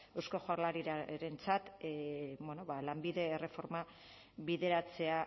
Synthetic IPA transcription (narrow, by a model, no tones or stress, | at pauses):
ewsko̞xoaɾlaɾiɾaɾe̞nt͡sat̪ | βono̞βalambiðe̞ːre̞fo̞ɾma | βiðe̞ɾat͡se̞a